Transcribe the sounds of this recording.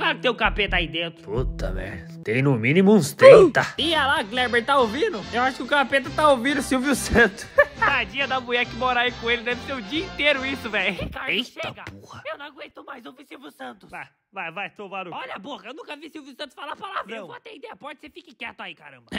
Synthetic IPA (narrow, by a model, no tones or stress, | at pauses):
klaɾʊkɪt̪ẽj̃ʊkapet̪aid̪ẽnt̪ɾʊput̪ɐ̰vɛ̰̃ | t̪ẽj̃nʊmĩnimʊũst̪ẽt̪ɐialaɡlɛɾbeɾ̚t̪aowvĩd̪ʊewaʃʊ̥kɪʊkapet̪ɐt̪aovĩd̪ʊsiwvjʊsɐ̃t̪ʊsad͡ʒiɐd̪ɐmuɛkɪmoɾaikõelɪd̪ɛvɪseɾʊd͡ʒiɐĩnt̪eɾʊisʊvɛjʊkaɾʃeɡɐpohɐewnɐ̃w̃ɡwẽt̪omajzowvisiwvjʊsɐ̃t̪ʊ̥sa | vajvajt̪ovaɾʊɔʎɐpohɐewnũkɐvisiwvjiʊsɐ̃nt̪ʊsfalapalavɾɐ̃wkãt̪ẽid̪ɛjɐpɔd͡ʒɪsefikɪkɛt̪ʊaikaɾɐ̰̃mbɐ